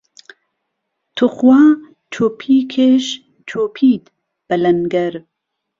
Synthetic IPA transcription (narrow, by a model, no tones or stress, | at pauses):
t̪ʰʊχwaː | t͡ʃʰoːpʰiːkʰeːʃ | t͡ʃʰoːpʰiːt̪ | b̥ɐlɐnɡɐɾ